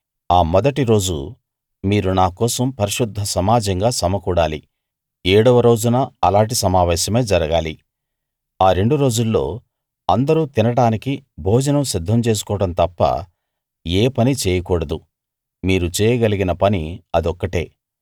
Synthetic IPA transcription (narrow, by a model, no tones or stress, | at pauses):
aːmɔd̪ɐʈiɾo̞ːd͡ʒṵ | miːɾunaːkɔːsɐmpɐɾiʂud̪ʱːɐsɐmaːd͡ʒɐŋɡaːsɐmɐkuːɽaːli | eːɽɐʋɐɾo̞ːd͡ʒunɐɐlaːɳʈisɐmaːʋɛːʃɐme̞ːd͡ʒɐɾɐɡaːli | aːɾe̞ɳɖuɾo̞ːd͡ʒulːo̞ː | ɐnd̪ɐɾut̪inɐɽaːnikibʱoːd͡ʒɐnɐmsid̪ʱːɐmt͡ʃe̞ːs̬u̥kɔːɽɐnt̪ɐpːɐ̰ | eːpɐnit͡ʃeːjɐkɔːɽɐd̪u | miːɾut͡ʃɛːjɐɡɐliɡinɐpɐniɐd̪ɔkːɐʈe̞ː